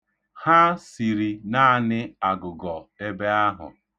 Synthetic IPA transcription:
ha˦si˨ɾi˨na˦˨nɪ˦a˨ɡʊ˨ɡɔ˨e˦be˦a˦ɦʊ̰˨

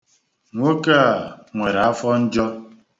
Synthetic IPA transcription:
ŋʷo˦ka˦˨ŋʷe˨ɾa˨a˦fɔ˦n̩˦d͡ʒɔ˦

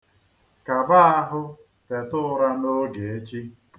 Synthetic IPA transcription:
ka˨ba˦a˦ɦʊ˦ | te˨tʊ˦ʊ˦ɾa˦no˦ɡe˨e˦t͡ʃi˦

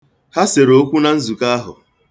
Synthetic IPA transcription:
ha˦se˨ɾo˦kʷu˦na˨n̩˦zu˨ka˦a˦ɦʊ̰˨

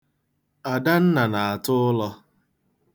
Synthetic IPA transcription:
a˨da˦n̩˦na˨na˨a˨tʊ˦ʊ˦lɔ˦

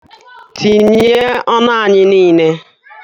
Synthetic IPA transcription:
tʰi˨ɲe˦ɔ˦na˦a˨ɲɪ˦niː˦ne˦

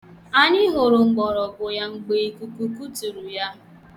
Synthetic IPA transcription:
a˦ɲɪ˦ɦo˨ɾʊ˨ŋ͡m̩˨ɡ͡bɔ˨ɾɔ˨kʊ˨ja˦ŋ͡m̩˨ɡ͡be˨i˦ku˨ku˦ku˦tu˨ɾu˨ja˦

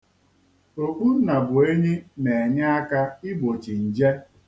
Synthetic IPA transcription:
o˨kʷu˦n̩˦na˨bʊ˨e˦ɲe˦ne˨e˨ɲa˦a˦ka˦ɪ˦ɡ͡bo˨t͡ʃi˨n̩˨d͡ʒe˦

